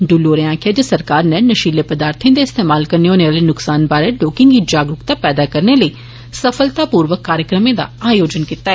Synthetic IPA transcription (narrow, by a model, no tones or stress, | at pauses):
ɖuloːɾeãːkʰaːd͡ʒəsəɾkaːɾneːnəʃiːleːpəd̪aːɾt̪ʰĩẽːd̪eːɪst̪eːmaːlkəɾneoːneʋaːliːnʊksaːnbaːɾeːɖoːkɪŋɡid͡ʒaːɡɾʊkt̪aːpɛːd̪aːkəɾneːləiː | səfʰəlt̪aːpuːɾʋəkːaːɾjəkɾəmẽːd̪a̰ːaːjoːd͡ʒənkit̪aːɛː